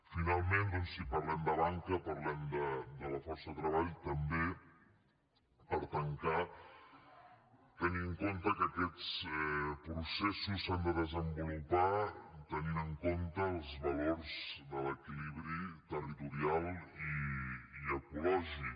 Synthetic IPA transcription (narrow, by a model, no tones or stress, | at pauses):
finalˠmend̪ɔnsipəɾrlɛmd̪əβaŋkəpəɾlɛmd̪əd̪ələfɔɾsəðət̪ɾəβ̞aʎt̪əmbe | əlt̪əŋka | t̪əniŋkont̪əkəkɛt͡sɛpɾusɛsusand̪əðəzəmbulupat̪əninəŋkont̪əːlˠzβəloɾzd̪ələkiliβ̞ɾit̪ərit̪uɾialˠiiəkulɔʒi